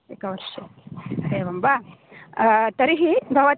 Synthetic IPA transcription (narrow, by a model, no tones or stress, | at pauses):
ekɐʋɐɾʃɐdeːʋɐmba | t̪ɐɾiɦibʱɐʋɐt̪